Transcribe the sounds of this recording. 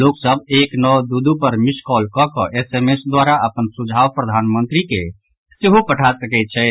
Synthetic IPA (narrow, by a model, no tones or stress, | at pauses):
loksəbeknɔwd̪ud̪upəɾmiskɔlkɔkɔʔesemesd̪waɾaʔəpənsud͡ʒʱawpɾəd̪ʱanmənt̪ɾike | seɦopəʈʰasəkɛt̪̚t͡ʃʰɛ